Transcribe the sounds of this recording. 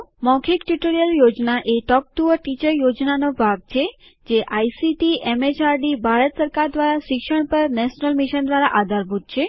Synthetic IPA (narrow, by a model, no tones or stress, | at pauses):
mɔkʰikʈuʈoɾijəljod͡ʒnaʔeʈɔk̚ʈuəɾʈit͡ʃəɾjod͡ʒnanobʱaɡ̚t͡ʃʰe | d͡ʒeʔajsiʈiʔemet͡ʃaɾɖibʱaɾət̪səɾkaɾd̪ʋaɾaʃɪkʃəɳ̃pəɾnɛʃnəlmiʃənd̪ʋaɾaʔad̪ʱaɾbʱut̪̚t͡ʃʰe